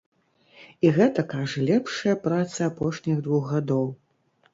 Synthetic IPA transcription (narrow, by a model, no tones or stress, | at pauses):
iɣɛt̪ɐkaʐɐlʲɛpʂɐjɐpɾat̪sɐapɔʂnʲiɣd̪vuxɣad̪ɔw